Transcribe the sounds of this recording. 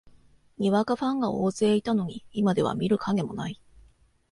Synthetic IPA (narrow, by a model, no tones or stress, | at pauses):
ɲʲiβakaɸãŋɡao̞ːzɨeːit̪ano̞ɲ̟iːmad̪e̞β̞a̰mʲiɾɯ̟kʰaɡe̞mo̞nai